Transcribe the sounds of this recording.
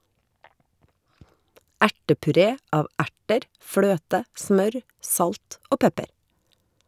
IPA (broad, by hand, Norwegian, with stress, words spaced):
ˈæʈəpʉˌɾeː ˈɑːʋ ˈæʈəɾ ˈfløːtə ˈsmœɾ ˈsɑlt ˈoː ˈpɛpəɾ